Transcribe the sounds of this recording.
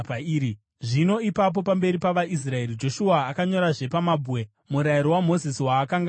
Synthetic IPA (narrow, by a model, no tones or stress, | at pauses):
pːi | ʐino̞ipap̬o̞pambe̞ɾipaʋais̬rae̞rid͡ʒo̞ʃuaːkaɲo̞ɾaʐe̞pamabʱuwe | muɾaiɾowamo̞zisiwaːkaŋɡa